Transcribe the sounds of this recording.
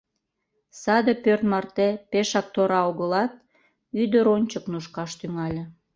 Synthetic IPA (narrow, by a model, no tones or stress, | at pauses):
sɑd̪əpørt̪mɑrt̪epeʃɑk̚t̪oɾɑoɣəlɑt̪̚ | yd̪əɾonʲt͡ɕəknuʃkɑʃt̪yŋɑlʲe